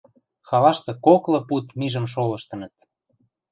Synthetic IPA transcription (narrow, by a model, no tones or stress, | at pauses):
xɑlɑʃt̪ɤ̆koklɤ̆put̪miʒə̆mʃ̬olɤ̆ʃt̪ɤ̆nə̆t̪